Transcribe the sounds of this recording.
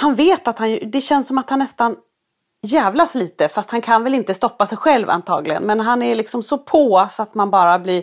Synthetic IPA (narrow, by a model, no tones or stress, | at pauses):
hanveːt̪at̪hanjd̪ɛɕɛnsːɔmat̪hanːɛst̪an | jɛːvlaʂliːt̪əfast̪hankʰanvɛlɪnt̪əst̪ɔpːasɛjɧɛlva̰nt̪ʰɑ̰ːɡlɪɡə̰nmɛnɦanæɭɪksɔmsɔpʰoːsɔat̪manbɑːɾablɪɾ